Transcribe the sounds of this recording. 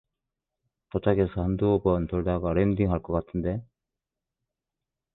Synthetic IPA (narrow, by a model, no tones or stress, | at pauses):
potʰaɡesʰʌhand̪uːbʌntɯɭdaɡaɾend̪iŋɦaɭk͈ʌk͈atʰɯnde̞